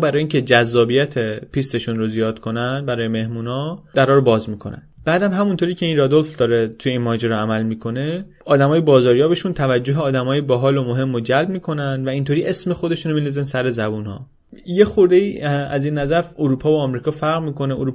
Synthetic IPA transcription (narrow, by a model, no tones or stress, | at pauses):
bæɾɒːjiːŋcʲʰe̞d͡ʒæzːɒːbijæt̪ʰepʰist̪e̞ʃunɾozijɒːd̪̥kʰo̞nænd̪bæɾɒːjeme̞hmuːnɒːd̪æɾɒːɾobɒːzmiːkʰo̞̰næ̰nb̥æːd̪æmɦæmunt̪ʰoɾiːcʰe̞inɾɒd̪o̞lfd̪ɒːɾet̪ʰujeiːnmɒːd͡ʒeɾɔæmælmiːkʰo̞ne̞ | ɒːd̪æmɒːjebɒːzɒːɾjɒːbe̞ʃunt̪ʰævæd͡ʒːoɦeɒːd̪æmɒːjebɒɦɒːlomoɦe̞mːod͡ʒælb̚miːkʰo̞nænd̪væint̪ʰoɾiːʔesme̞xod̪e̞ʃunɾomilizensæɾe̞zæbunhɒ̰ː | je̞xoɾd̪eiːæziːnːæzæɾfoɾuːpʰɒːvoːmɾiːkʰɒːfæɾɣɾmiːko̞neuɾuː